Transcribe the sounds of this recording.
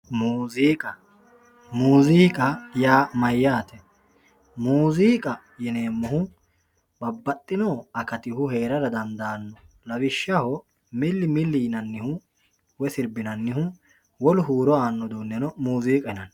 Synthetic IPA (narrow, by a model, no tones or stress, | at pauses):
muːziːkʼɐ | muːziːkʼɐjaːmɐjːaːt̪ɛ | muːziːkʼɐ | jɛneːmːɔɦʊ | bɐbːɐt̪ʼːɪnɔːɐkɐt̪ɪhʊheːɾɐɾɐd̪ɐnd̪aːnːɔ | lɐwɪʃːɐhɔ | mɪlːɪmɪlːɪjnɐnːɪhʊ | wɛsɪɾbɪnɐnːɪɦʊ | wɔlʊɦuːɾɔaːnːɔd̪uːnːɛnɔmuːziːkʼɐɛnɐn